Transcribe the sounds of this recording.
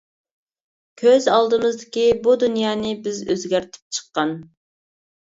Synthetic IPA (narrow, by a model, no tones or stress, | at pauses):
kʲʰøzɑlˠd̪ɨmɨzd̪ɪkʲibud̪unjɑːnɨbɪzø̰zɡʲæɾt̪ʰɪ̥p̚t͡ʃʰə̥qːɑn